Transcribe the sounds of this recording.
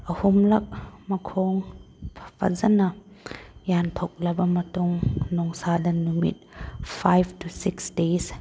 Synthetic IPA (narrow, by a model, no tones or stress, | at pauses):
ʔəhumlɐk̚makʰɔŋ | pʰḁpʰa̰zɐna | jant̪ʰɔk̚lɐbamatuŋnɔŋsadɐnːumḭt̪̚fʰajvtʰusiksdes